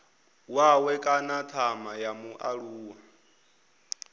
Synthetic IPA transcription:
wawɛkʼanatʰamajamuʔaɺuːwa

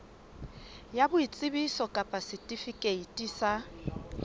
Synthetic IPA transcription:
jabʊit͡sʼɪbisɔkʼapʼasɪtʼifikʼeitʼisa

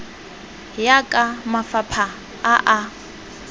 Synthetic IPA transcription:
jakʼamafapʰaː | ʔa

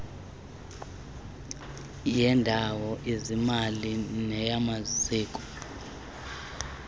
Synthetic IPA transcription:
jɛndʱawɔʔizimalinɛjamaziːkʼu̥

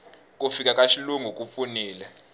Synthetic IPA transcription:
k̬ʼufik̬ʼakʼaʃiluŋuk̬ʼufuniːlɛ

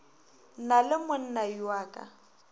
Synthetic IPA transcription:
nalɪmʊn̩naiwaːkʼa̰

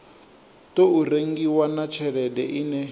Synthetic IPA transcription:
toureŋɡiwanat͡ʃʰɛɺɛdɛʔinɛ

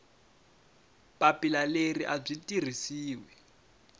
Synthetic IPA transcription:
papilaleriʔab͡ʐitʼir̤isiːwɛ

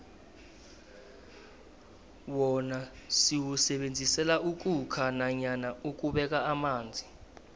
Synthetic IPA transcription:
wɔnasiwusɛɓend͡zʱisɛlauk̬ʼukʰanaɲanauk̬ʼuɓɛk̬ʼaːmaːnd͡zʱi

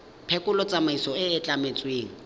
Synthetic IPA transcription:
pʰɛkʼʊlɔt͡sʼamaisɔɪɪt͡ɬʼamet͡sʼweːŋ̩

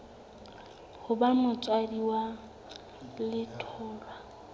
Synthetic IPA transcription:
hʊbamʊt͡sʼwadiwa | lɪtʰɔːlwa

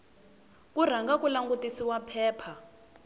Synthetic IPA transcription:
kur̤aŋɡakulaŋɡutisiwapʰɛːpʰa

